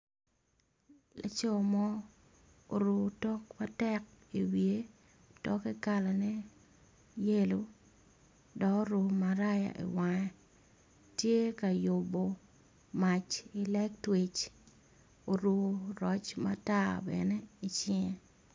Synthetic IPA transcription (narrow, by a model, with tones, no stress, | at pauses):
la̰˨t͡ʃɔ˦mɔ˦ | o̰˨ɾu˨tɔ˦kma˦tɛ˦k̚i˨wje˦ | tɔ˦kɛ˦ka˦la˨nɛ˦ | je˦lo˨ | dɔ˨kɾu˨maɾa˦ja̰˨ʔḭ˨wa˨ɛ˦ | tje˦ka˨jo˨bo˨ | ma˨t͡ʃi˨lɛ˦k̚twe˨t͡ʃ | o˨ɾu˨ɾɔ˨t͡ʃma̰˦ta˦bɛ̰˨ne˦i˨t͡ʃɪ˦˨